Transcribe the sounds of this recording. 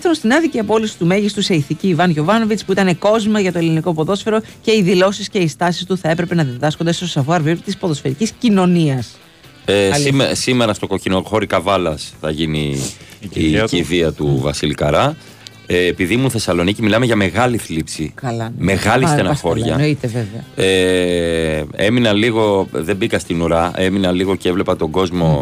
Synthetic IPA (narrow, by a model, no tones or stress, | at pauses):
θɐunst̪inɐðiciɐpo̞lisi̥t̪ume̞ʝist̪use̞iθiciːvɐnʝo̞vɐno̞vit͡spuit̪ɐne̞ko̞zmɐʝɐt̪o̞eliniko̞po̞ðo̞sfeɾo̞ce̞iðilo̞sisce̞ist̪ɐsist̪uθɐe̞pɾe̞pe̞nɐðiðɐsko̞nd̪est̪osɐvuɐɾviɾt̪ispo̞ðo̞sfe̞ɾiciscino̞niɐs | esime̞ɾɐst̪o̞ko̞cino̞xo̞ɾikɐvɐlɐsθɐʝinḭː | ciðiɐt̪uvɐsilikɐɾɐ | eːpiðimuθe̞sɐlo̞nicimilɐmeʝɐme̞ɣɐliθlipsikɐlɐme̞ɣɐlist̪enɐɐxo̞ɾʝʝɐnit̪eveveɐe | e̞minɐliɣo̞ðe̞bikɐst̪inuɾɐe̞minɐliɣo̞ceevle̞pɐt̪o̞ɡo̞zmo̞